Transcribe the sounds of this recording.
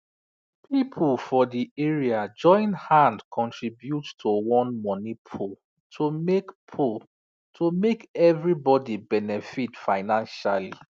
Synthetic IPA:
pʰipʰulfɔdieɹiad͡ʒɔ̃ɪ̃nhãndkʰɔ̃ntʰɹibjuttʰowɔ̃nmɔnipʰo | tʰomekpʰo | tʰomekɛvɹibɔdibɛnɛfitfaɪnãnʃali

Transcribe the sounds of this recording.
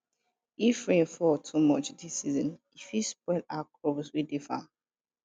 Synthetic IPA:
ifɹẽnfɔtʰumɔt͡ʃdisizɔ̃n | ifispɛɪdakʰɹovswidifã̰

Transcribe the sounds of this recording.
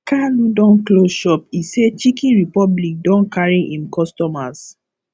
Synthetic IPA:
kaludɔ̃nkloʃɔpiset͡ʃikĩnɹipɔblik̚dɔ̃nkaɹiʔĩmkɔstɔmas

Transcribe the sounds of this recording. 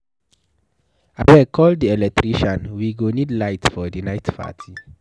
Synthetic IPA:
a̰wɛkʰɔlddiɛlɛk̚tɾiʃãnwiɡonidlaɪtfɔdinaɪtpʰa̰tʰi

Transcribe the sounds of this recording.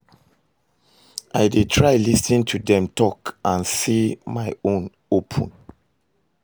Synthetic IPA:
ʔaɪdetʰɹaɪlisĩntʰudɛ̃mtɔkãnsimaɪõn | opʰə̰̃n

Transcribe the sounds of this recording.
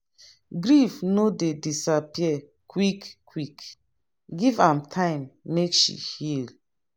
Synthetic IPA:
ɡɾifnodedisapiɛ | kwikː | wik | ɡivãmtʰãɪ̃mːekʃḭhil

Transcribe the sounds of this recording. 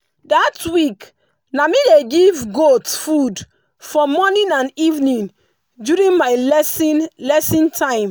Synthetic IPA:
datwik | namileɡivɡotfud | fɔmɔnĩnãnivnĩn | djuɹĩnmaɪlslɛsĩntʰãɪ̃m

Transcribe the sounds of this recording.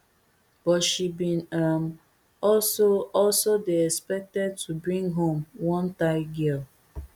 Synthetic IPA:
b̥ɔtʃibĩnam | ɔlsoɔlsodeɛkspɛk̚tɛd̚tʰubɹĩŋɡɦõmwɔ̃ntaɪɡɛl

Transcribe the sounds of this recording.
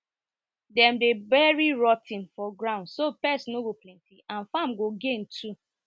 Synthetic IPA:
dɛmdebɛɹiɹɔtĩnfɔɡɹãʊ̃ndsopɛsinoɡoplɛ̃ntiʔãnfamɡoɡẽntʰu

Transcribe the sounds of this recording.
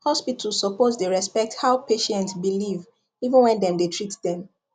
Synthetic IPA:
hɔspitʰəlssɔpozdeɹɛspɛk̚thaʊpeʃɛ̃ntsbiliv | ivə̃nwɛ̃ndɛ̃mdetʰɹitdɛ̃m

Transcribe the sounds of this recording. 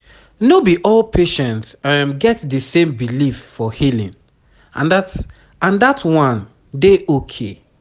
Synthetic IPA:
nobiʔɔlpʰeʃɛ̃ntmɡɛtdəsẽmbilifːɔhilḭ̃n | ã̰ndat | ãndatʰwɔ̃n | deʔokʰe

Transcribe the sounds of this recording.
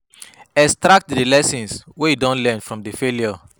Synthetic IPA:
ɛkstɹak̚tdilɛsĩnswejidɔ̃nlɛ̃nfɹɔ̃mdifelijɔ

